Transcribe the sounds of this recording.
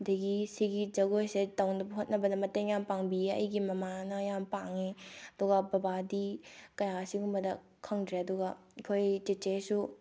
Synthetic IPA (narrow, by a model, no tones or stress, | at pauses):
dɐɡisiɡid͡ʒɐɡojsetɐwnɐbɐɦot̚nɐbɐdɐmɐteŋjampaŋbieɐ̰jɡimɐmanɐjampaŋeɐduɡɐbɐbadikɐjasiŋumbɐdɐ | kʰɐŋdɾeɐduɡɐikʰojt͡ʃet͡ʃesu